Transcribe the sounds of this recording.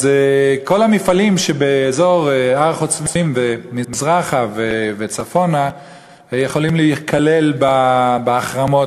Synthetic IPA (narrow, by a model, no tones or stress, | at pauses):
zeko̞lamifalimʃebeːzo̞ʁaʁχot͡svimvemizʁaχavevet͡safo̞na | jeχo̞limleikʰalelbabeaχʁamo̞t